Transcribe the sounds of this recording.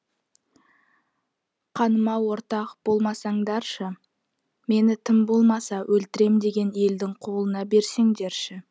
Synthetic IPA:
qʰɑnəmɑwo̞ɾt̪ɑqb̥o̞lˠmɑsɑɴd̪ɑɾʃə | me̞nɪt̪ʰɪmbo̞lˠmɑsɑwʔɵlt̪ɪɾe̞md̪e̞ɡʲe̞ne̞ld̪ɪŋqʰo̞lˠənɑbe̞ɾse̞ŋd̪e̞ɾʃɪ

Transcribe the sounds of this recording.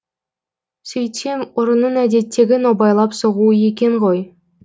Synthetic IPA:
sʲɵjt̪ʲemoɾənːəɴæd̪e̞t̪ʰːe̞ɡʲɪnobɑjlˠɑpsoʁuəjekʲe̞ɴʁoj

